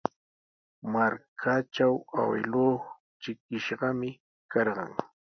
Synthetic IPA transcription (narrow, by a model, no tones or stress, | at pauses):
maɾkʰat͡ʃawa̰wɪ̰loːχ | t͡ʃɪkɪʃɢɑmɪ | kʰɑɾɢɑ̰ŋ